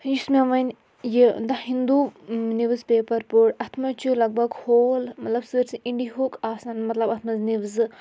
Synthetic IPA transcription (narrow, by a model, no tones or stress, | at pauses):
jismeʋɐnʲ | jid̪ahind̪uniʋzpeːpɐɾpuɽɐt̪ʰmɐt͡ʃulɐɡ̚bʱɐɡhoːlmɐt̪lɐbsəɾsiiɳɖiɦukʰaːsaːnmɐt̪lɐbɐt̪ʰmɐzniʋz